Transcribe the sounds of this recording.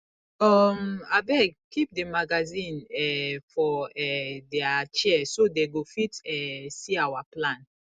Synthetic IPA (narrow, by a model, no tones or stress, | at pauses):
ɔmabɛkip̚demaɡazĩnɛfɔɛdɛat͡ʃɛsodeɡofitɛsiawaplãn